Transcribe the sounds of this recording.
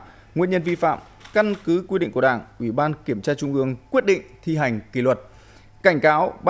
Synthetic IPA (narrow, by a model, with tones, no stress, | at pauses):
ŋḭ˧˨əɲə˧nvi˧fa̰ː˧˨m | ka˧nkɨ˨˦kwi˧ɗḭ˧ŋku˧˩ɗaː˧˩ŋʔwi˧˩ɓaː˧nki˧˩əmt͡ɕaː˧t͡ɕʊ˧ŋ͡mʔɨ˧əŋkwi˦˥t̚ɗḭ̈˧˨ŋ̟t̪ʰi˧ɦa˨˩jŋ̟kḭ˧˩lwə˨˩t̚ | ka˧˩jŋ̟kaː˨˦wɓ